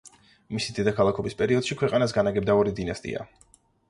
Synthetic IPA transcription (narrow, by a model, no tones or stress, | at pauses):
misid̪ɛd̪akʰalˠakʰɔbispʼɛɾiɔd̪̥ʃikʰwɛqʼanas̬ɡanaɡɛbd̪aɔɾid̪inast̪ʼḭa̰